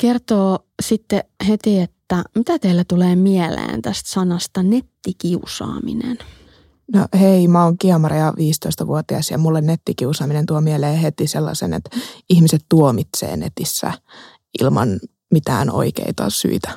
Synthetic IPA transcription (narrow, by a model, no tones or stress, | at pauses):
kert̪oː | sit̪ːehet̪iet̪ːæmit̪æt̪eilːæt̪uleːmiɛlḛːnt̪æst̪sɑnɑst̪ɑnet̪ːikiusɑ̰ːmḭnḛn | no̰heimæoŋkiɑmɑrijɑʋiːst̪oist̪ɑʋuot̪iɑsjɑ̰mulːennet̪ːikiusɑːminent̪uomieleːhet̪iselːɑ̰sḛnḛt̪ihmiset̪t̪uomit̪sḛːnḛt̪isːæ̰ | ʔḭlmɑn | mit̪æ̰ːno̰ikḛit̪ɑ̰sy̰it̪æ̥